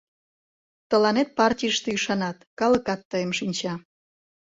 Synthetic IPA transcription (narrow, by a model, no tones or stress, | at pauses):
t̪əlɑnet̪̚pɑrtʲijəʃt̪eyʃɑnɑt̪kɑləkɑt̪ːəjəmʃinʲt͡ɕɑ